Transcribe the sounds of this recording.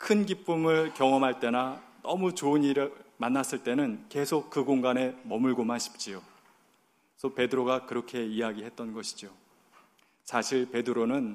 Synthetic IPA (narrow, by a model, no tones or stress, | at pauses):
kʰɯnɡip͈ɯmɯɭkjʌŋʌmɦaɭt͈e̞nanʌmut͡ɕoɯɲiɾmanːas͈ɯɭt͈e̞nɯnke̞sʰok̚k͈ɯɡoŋɡane̞mʌmɯɭɡomɦaɕʰi̥p̚t͡ɕ͈io | sʰʌpe̞dɯɾoɡakɯɾʌkʰe̞ijaɡiɦe̞t̚t͈ʌnɡʌɕʰi̥d͡ʑo | sʰaɕʰiɭpe̞dɯɾonɯn